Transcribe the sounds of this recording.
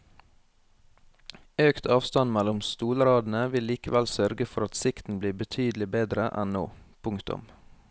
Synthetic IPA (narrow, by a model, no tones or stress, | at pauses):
øːkt̪ʰɑːʋst̪ɑnmælʊmst̪uːləɾɑːd̪n̩əʋɪlːiːkəʋælsœɾɡəfɔɾɑt̪sɪkt̪n̩bliːbət̪ʰyːd̪l̩ɪbeːd̪ɾəʔɛ̰nno̰ːpʰʊŋkt̪ʊ̰m